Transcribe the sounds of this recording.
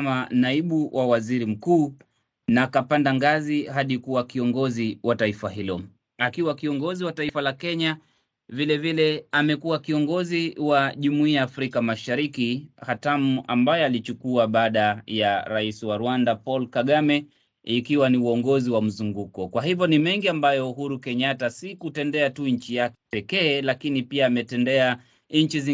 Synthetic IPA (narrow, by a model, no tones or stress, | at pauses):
manaiɓuwʔawaziɾim̩kuː | nakapandaŋɡazihaɗikuwakiɔŋɡɔziwataifaɦilɔ | akiwakiɔŋɡɔziwataifalakɛɲa | vilɛvilɛamɛkuwakiɔŋɡɔziwaʄumuiaːfɾikamaʃaɾikihatamua̰mbajɛalit͡ʃukuaɓaːɗajaɾaisiwaɾuwandapɔlkaɠamɛ | ikiwaniuɔŋɡɔziwam̩zuŋɡukɔkwaɦivjɔnimɛŋɡiambajɔuɦuɾukɛɲatasikutɛndɛatuɲ̩t͡ʃijakɛpɛkɛːlakinipiaːmɛtɛndɛa | ɲ̩t͡ʃizi